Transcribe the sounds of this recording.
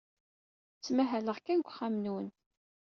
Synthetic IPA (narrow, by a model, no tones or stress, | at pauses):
t͡sːmæɦæləʁkænɡʷχamnwən